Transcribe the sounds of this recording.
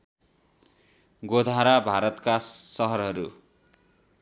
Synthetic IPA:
ɡod̪ʱaɾabʱaɾʌt̪kasʌɦʌrɦʌɾu

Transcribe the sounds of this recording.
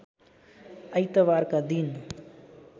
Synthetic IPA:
əjt̪əʋaːɾkad̪in

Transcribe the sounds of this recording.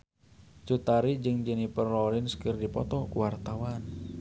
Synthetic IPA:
t͡ʃut̪aɾid͡ʒɨŋd͡ʒənipərlɔlinskɨrdipɔ̰t̪ɔkuwart̪awan

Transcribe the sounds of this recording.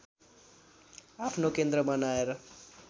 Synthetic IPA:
apʰnokend̪ɾʌmʌnaeɾʌ

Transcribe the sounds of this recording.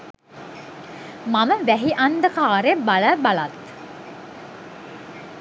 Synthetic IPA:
maməʋæɦiʔand̪əkaːɾebaləbalat̪

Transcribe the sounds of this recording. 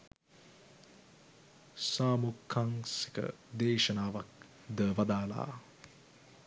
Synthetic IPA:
saːmukʰːaŋsi̥kə̰d̪eːʃənaːʋak̚ | d̪əʋad̪aːla̰ː

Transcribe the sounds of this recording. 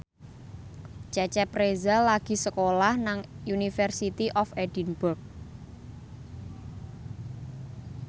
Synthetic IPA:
t͡ʃɛt͡ʃɛpɾezalaɡ̥i̤səkolahnaŋjunifɛrsit̪iʔɔfedinburk̚

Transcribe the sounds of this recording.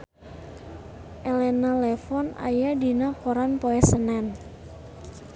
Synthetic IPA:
ʔɛlɛnalɛfɔna̰jadinakoɾanpoɛsənɛn

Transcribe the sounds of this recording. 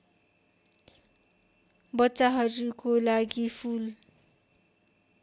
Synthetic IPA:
bʌtːt͡saɦʌɾukolaɡipʰul

